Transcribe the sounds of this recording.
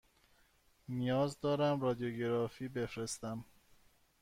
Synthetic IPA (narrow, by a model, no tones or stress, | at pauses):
nijɒːzd̪ɒːɾæmrɒːd̪ijoɟeɾɒːfiːbe̞fɾest̪æm